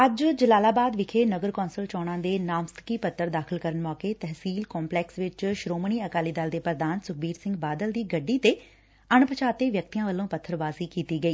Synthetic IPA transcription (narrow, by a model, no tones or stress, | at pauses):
əd͡ʒd͡ʒəlaːlaːbaːd̪ʋɪkʰeːnəɡəɾkɔːnsəlt͡ʃɔːɽ̃ãːd̪eːnaːmst̪ʰə̥kiːpət̪ʰːəɾd̪aːkʰɪlkəɾənmɔːkeːt̪ɛɦsiːlkɔ̃ːmplɛːksʋɪt͡ʃʃɾoːməɳiːəkaːliːd̪aːld̪eːpɾəd̪aːnsʊk̚ʰbiːɾsɪ̃ŋɡbaːd̪əld̪iːɡəɖːiːt̪eː | əɳpət͡ʃaːt̪eːʋjək̚t̪ijãːʋəlːõːpət̪ʰːəɾbaːsiːkiːt̪iːɡəiː